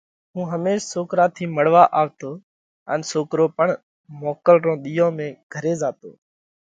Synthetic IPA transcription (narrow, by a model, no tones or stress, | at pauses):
ɦũːɦəmeːʃsoːkɾaːt̪ʰiːməɽ̤ʋaːʔaːʋt̪oː | ə̰nsoːkɾoːpəɳ | moːkəlɾõːɗ̪iːõːmẽːɡ̥ʱəɾeːzaːt̪o̰ː